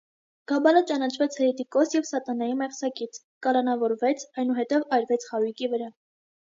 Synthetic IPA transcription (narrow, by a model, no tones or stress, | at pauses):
ɡ̥ɑbɑlət͡ʃɑnɑt͡ʃʰvɛt͡sʰhɛɾɛt̪ikɔsjɛvsɑt̪ɑnɑjimɛχsɑkit͡sʰ | kɑlɑnɑvɔɾvɛt͡sʰɑjnuɦɛt̪ɛvɑɾvɛt͡sʰχɑɾujkivəɾɑ